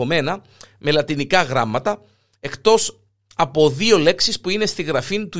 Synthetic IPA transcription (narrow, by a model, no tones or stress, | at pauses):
ome̞nɐ | me̞lɐt̪inikɐɣɾɐmːɐt̪ɐ | e̞kt̪o̞s | ɐpo̞ðio̞le̞ksispuine̞st̪iɣɾɐfint̪u